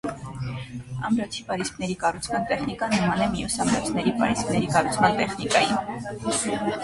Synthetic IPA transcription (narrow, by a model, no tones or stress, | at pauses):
ɑ̰mɾɔt͡sʰipɑɾisknɛɾikɑrut͡sʰmɑnt̪ɛχnikɑnəmɑnɛmijusɑmɾɔt͡sʰnɛɾipɑ̰ɾisknɛɾikɑrut͡sʰmɑnt̪ɛχnikɑjin